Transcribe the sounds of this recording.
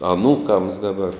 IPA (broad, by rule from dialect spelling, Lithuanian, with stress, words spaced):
ɐˈnuːkɐms ˈdɑːbɐr